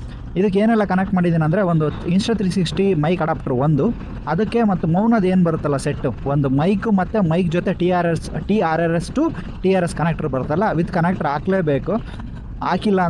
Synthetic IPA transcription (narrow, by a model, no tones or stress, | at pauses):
id̪ɐkːeeːnɛlːɐkɐnek̚ʈmaːɽid̪iːnɐnd̪ɾe̞ond̪uinsʈɾɐt̪ɾisiksʈimɐjkɐɽaːp̚ʈɐɾʋond̪u | ɐd̪ɐkːe̞mɐt̪ːumɐwnɐd̪e̞ːnbɐɾut̪ːɐlːɐseʈːuond̪umɐjkumɐt̪ːemɐjkd͡ʒot̪e̞ʈiːaːɾesʈiːaːɾɐɾesʈu | ʈiːaːɾeskɐnek̚ʈɐɾbɐɾut̪ːɐlːɐʋid̪kɐnek̚ʈɐɾaːkleːbeːku | aːkilːɐ